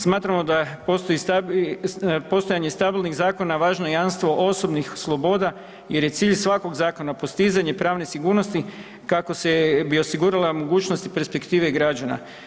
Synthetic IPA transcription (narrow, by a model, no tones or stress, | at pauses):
smaːt̪ɾamo̞d̪apost̪oit̪ | po̞st̪ojaɲe̞st̪abilˠniɣzaːko̞naʋaːʒnojamst̪ʋo̞ʔo̞so̞bnixslˠo̞bo̞d̪a | je̞ɾje̞t̪siːʎsʋako̞ɡzaːko̞napo̞st̪izaɲepɾaːʋne̞siɡuːɾno̞st̪i | kako̞sebio̞siɡuɾalamoɡuːt͡ʃnost̪ipe̞ɾspekt̪iːʋe̞iɡɾad͡ʒana̰